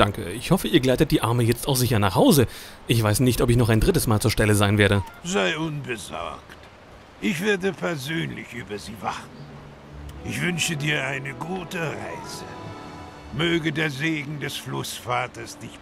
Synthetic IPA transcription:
d̥aŋkə̰ɪçhɔfəiːɐɡlaɪtət̚d̥iːʔaɐməjɛt͡staʊxz̥ɪçɐnaːχhaʊzə | ʔɪçv̥aɪsnɪçtɔpɪçnɔχaɪndʁɪtəsmaːlt͡suːɐʃtɛləzaɪnveːɐɾəzaɪʔʊnbəzɔ̰ɐkt | ʔɪçv̥eːɐdəpʰɛɐzøːnlɪçʔyːbɐziːva̰χtn̩ | ʔɪçv̥ʏnʃədiːɐʔaɪnəɡuːtəʁa̰ɪz̥ə̰ | møːɡədeːɐzeːɡŋ̩dɛsflʊsfaːtɐsd̥ɪç

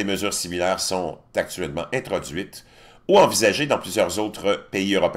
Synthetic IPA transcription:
eməzyːʁsimilɛːʁsɔ̃t̪ak̚t̪t͡sɥɛlmɑ̃ʔɛ̃t̪χɔd͡z̪ɥit̪ | uɑ̃vizaʒed̪ɑ̃plyzjœʁzot̪ʁəpeiøʁɔpe

